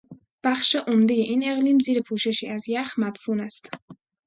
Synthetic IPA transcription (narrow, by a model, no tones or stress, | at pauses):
b̥æxʃeʔomd̪ejeʔiːne̞ɣliːmziːɾepʰuːʃe̞ʃiːʔæzjæxmæd̪̥fuːnæst̪